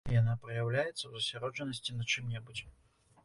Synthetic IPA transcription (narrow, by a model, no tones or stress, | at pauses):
ijanapɾɐjawlʲajɛt̪sːəwzɐsʲaɾɔʐɨnːəsʲtʲinɐt͡ʂɨmnʲɛbut͡sʲ